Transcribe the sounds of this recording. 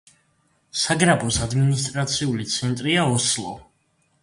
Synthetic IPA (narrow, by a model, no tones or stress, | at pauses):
saɡɾabɔsad̪minist̪ʼɾat̪sʰiulit̪sʰɛnt̪ʼɾiaɔslˠɔ̰